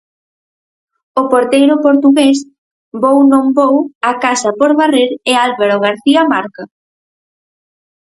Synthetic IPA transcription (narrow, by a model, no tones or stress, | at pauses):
ʊpoɾt̪ejɾʊpoɾt̪uɣes | bownõmbowakasɐpoɾβareɾɪalβaɾoɣ̞aɾθiɐmaɾka